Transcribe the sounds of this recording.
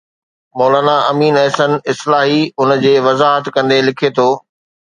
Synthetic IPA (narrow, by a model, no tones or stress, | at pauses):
mɔːlaːnaɐmiːnɛːsənɪslaːɦiʊnd͡ʑeːʋɐzaːɦət̪kɐ̃nd̪elɪkʰet̪ʰoː